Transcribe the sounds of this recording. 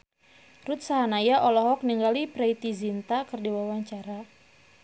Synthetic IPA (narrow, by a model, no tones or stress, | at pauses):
rut̪̚saɦanajaʔɔlɔɦɔk̚niŋɡalipɾejt̪izint̪akɨrdiwawaɲt͡ʃaɾa